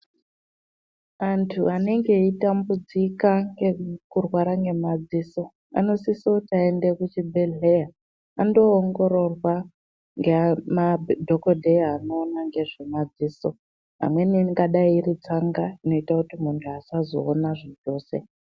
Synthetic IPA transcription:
antʰuane̞ŋɡe̞itambud͡zikaŋɡekurwaɾaŋɡe̞mad͡ziːso̞ | a̰no̞sisoutaendekut͡ʃibʱeɮe̞jaː | ndo̞ːŋɡo̞ɾo̞rwa | ŋɡemadʱokodʱejano̞ːnaŋɡe̞ʐemad͡ziːso̞ | ɦa̰mwe̞niŋɡaɗaiːrit͡saŋɡaino̞itakutimuntʰuasazo̞̰ːnaʐid͡ʒo̞ːse̞̰

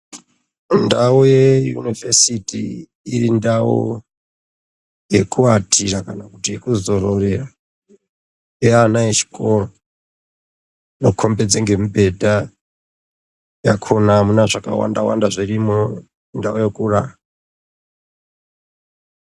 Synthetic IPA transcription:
ndaujejṵnivesitiː | rindao̰ | je̞kuatʰiɾakanakutiekuzoɾorera | eanajet͡ʃi̥kʼoro | nokʰombed͡zeŋɡe̞mibʱe̞dʱa | jakʰonamunaʐaka̰wa̰ndawa̰ndaʐirimo | ndaojekuraa

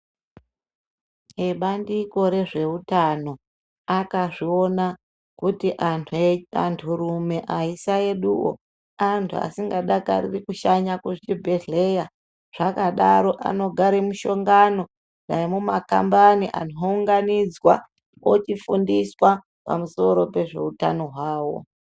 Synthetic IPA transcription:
eɓandiko̞ɾe̞ʐe̞utano̞ | akaʐio̞na | kutiʔ | a̰ntʰuɾume̞ʔaisae̞ɗuwo̰ | antʰua̰siŋɡaɗaka̰rḭrikuʃaɲakuʐit͡ʃibʱe̞ɮe̞ja | ʐ̥akaɗaɾo̞ʔa̰no̞ɡʱaɾemuʃo̞ŋɡano̞ | naimumaka̰mbaniʔa̰n̤ouŋɡanid͡zwa̰ | ot͡ʃifundiswa | pa̰muso̞ɾo̞pe̞ʐe̞uta̰no̞ɦwaːwo̞̰

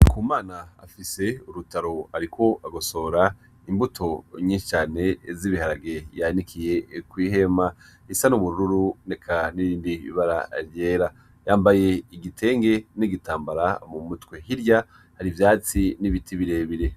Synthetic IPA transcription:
kʰuːmaːnaa̰fise̞uɾutaɾo̞aɾikʰo̞aɡoso̞ːɾa | imbutʰo̞ɲiːnʃi̥t͡ʃaːne̞ziβihaɾaɡe̞janikʰije̞kwiːɦe̞maisanuβuɾuɾuɾunekʰaniɾiːndiḭβaɾa̰ɾje̞ːɾa | jaːmbaje̞iɡitʰe̞ːŋɡe̞niɡitaːmbaɾamumutwehiɾja | haɾivjaːt͡siniβitʰiβiɾe̞βiɾe̞

